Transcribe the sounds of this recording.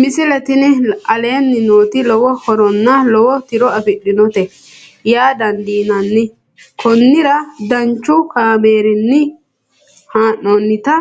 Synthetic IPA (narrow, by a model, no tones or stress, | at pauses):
mɪsɪlɐt̪ɪnɪɐleːnːɪno̞ːt̪ɪlɔwɔhɔɾɔnːɐlɔwɔt̪ɪɾɔɐfɪɗɪnɔt̪ɛ | jaːd̪ɐnd̪iːnɐnːɪ | kʰɔnːɪɾɐd̪ɐnt͡ʃːʊkaːmeːɾɪnːɪ | haːʔːoːnːɪt̪ɐ